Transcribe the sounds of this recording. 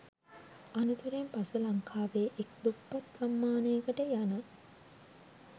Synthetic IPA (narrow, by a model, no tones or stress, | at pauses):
anut̪uɾempasulɐŋkʰaːʋeːʔekd̪upːat̪samːaːnejəkəʈəjanə